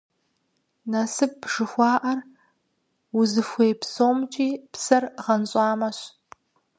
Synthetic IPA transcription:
nɐsɨp̚ːʂɨxʷɑːʔɐr | ʊzɨxʷejpsoːmt͡ʃʼiːpsɐrʁɐnɕʼɑːmɐɕ

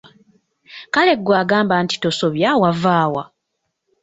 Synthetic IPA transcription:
kale̞ɡːwaːɡaːmbanti̥to̞so̞βjawavaːwa̰

